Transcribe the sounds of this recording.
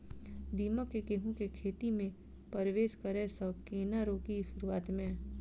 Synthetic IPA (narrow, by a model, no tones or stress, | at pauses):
d̪iːmakekeːɦũkekʰeːt̪imẽ | pəɾʋeːʃkɐɾesɐkeːnaɾoːkisʊɾuaːt̪mẽ